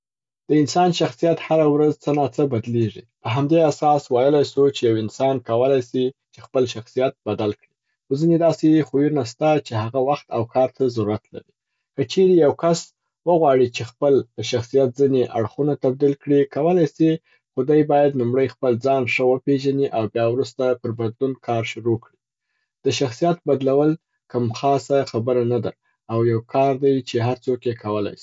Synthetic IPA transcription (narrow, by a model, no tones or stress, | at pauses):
d̪̥əɪnsɑnʃaxsijat̪haɾawɾazt͡sənɑt͡səbad̪leʐipəɦamd̪easɑswajəlajsut͡ʃejawɪnsɑnkawəlajsit͡ʃexpəlʃaxsijat̪̚bad̪alkɽi | xozined̪ɑsexujunast̪at͡ʃeɦaɣawaxt̪awkʰɑɾt̪ʰazaɾuɾat̪la̰ɾi | kət͡ʃeɾejawkas | wəɣwɑɽit͡ʃexpəld̪əʃaxsijat̪̚zineʔa̰ɽxunat̪ab̚d̪ilkɽikawəlajsi | xʊd̪ajbɑjad̪nlumɽəjxpəld͡zɑnʂəwəpeʒaniʔawbjɑwɾust̪apəɾbad̪lunkʰɑɾʃʊɾokɽi | d̪̥əʃaxsijat̪bad̪lawəl | kamxɑsaxabəɾanad̪aː | wjawkʰɑɾd̪ajt͡ʃeɦaɾt͡sokjekʰawəla̰jsi̥